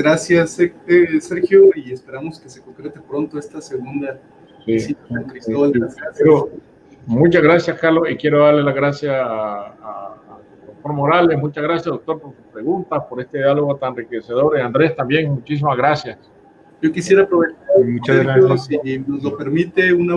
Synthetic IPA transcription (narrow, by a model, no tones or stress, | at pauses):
ɡɾasjaseeseɾxjoiespeɾamoskesekoŋkɾet̪epɾont̪oest̪aseɣund̪a | sisit̪aonk̪ɾisoleɾo | mut͡ʃazɣɾasjaskaɾlo̞sikje̞ɾo̞ðaɾle̞laɣɾasjasaː | ðok̚t̪oɾmoɾale̞smut͡ʃazɣɾasjasaðok̚t̪o̞ɾpo̞ɾsuspɾe̞ɣunt̪aspo̞ɾe̞st̪eðjalo̞ɣot̪annrikese̞ðo̞ɾeand̪ɾe̞st̪ambje̞ŋmut͡ʃis̬imazɣɾasjas | ɟ͡ʝo̞kisjeɾapɾoβet͡ʃaɾmut͡ʃae | nozlopeɾmit̪euna